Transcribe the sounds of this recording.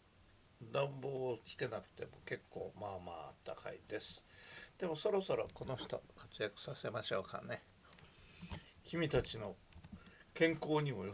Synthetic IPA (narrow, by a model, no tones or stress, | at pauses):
d̪ãmboːkʲi̥t̪e̞nakɯ̟̥t̪e̞mo̞̰ke̞kʰːo̞̰ːmama̰ːa̰t̪ːaka̰ḭd̪e̞sɨ̥d̪̥e̞mo̞so̞ɾo̞so̞ɾo̞ko̞no̞çi̥t̪o̞̰kat͡sɨjakɯ̟̥sase̞maɕo̞ːka̰ne̞ | çʲimʲit̪at͡ɕino̞ | kẽ̞ŋko̞ːɲ̟imo̞